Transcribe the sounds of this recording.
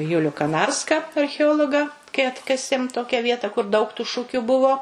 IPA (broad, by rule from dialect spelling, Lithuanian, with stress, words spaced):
ˈjʊlʲʊ kɐˈnɐrskɐ ɐrʲxʲɛˈoːlˠoːɡɐ kɐɪ ˈɑːtkɐsʲeːm ˈtoːkʲɛ ˈʋʲiɛtɐ kʊr dɐʊk tʊ ˈʃʊkʲʊ ˈbʊʋoː